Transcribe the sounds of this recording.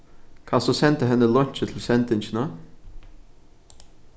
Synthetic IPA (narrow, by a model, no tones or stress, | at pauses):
kʰɑsɔsɛnt̪əɦɛnːəlɔnt͡ʃət̪ʰl̩sɛnt̪ɪnçənə